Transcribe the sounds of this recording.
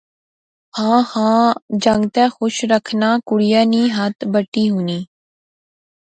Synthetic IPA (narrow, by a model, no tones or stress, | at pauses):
hãːhãːd͡ʒə̃ŋɡt̪ɛːxʊʃɾəkʰnaːkʊɽɪjaːniːɦət̪bəʈːiːɦuːniː